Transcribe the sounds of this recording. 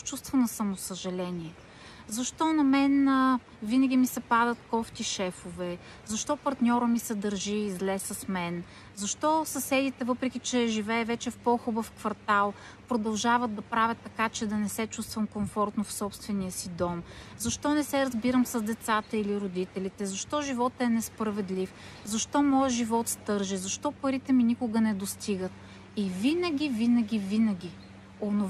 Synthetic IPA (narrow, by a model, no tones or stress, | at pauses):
t͡ʃust̪vənɐsɐmosəʒɐlɛniɛ | zɐʃt̪ɔnɐmɛn | vinəɡʲimisɛpad̪ət̪kɔft̪iʃɛfovɛ | zɐʃt̪ɔpɐɾt̪nʲɔɾəmisɛd̪ɐɾʒiːzlɛsəsmɛn | zɐʃt̪ɔsɐsɛd̪it̪ɛvɤpɾɛk̟ʲit͡ʃɛʒivɛːvɛt͡ʃɛfpɔxubəfkvɐɾt̪alˠ | pɾod̪ɐlˠʒavət̪̚d̪ɐpɾavʲət̪ːɐkat͡ʃɛd̪ɐnɛsɛt͡ʃust̪vəmkomfɔɾt̪nofsɔpst̪vɛniəsid̪ɔmzɐʃt̪ɔnɛsɛɾɐzbiɾəmsɐzd̪ɛt̪sat̪əiliɾod̪it̪ɛlit̪ɛzɐʃt̪ɔʒivɔt̪ɛnɛspɾəvɛd̪lif | zɐʃt̪ɔmɔjəʒivɔt̪st̪ɤɾʒizɐʃt̪ɔpɐɾit̪ɛminikʊɡənɛd̪ost̪iɡət̪̚ | ivinəɡʲivinəɡʲivinəɡʲi | ono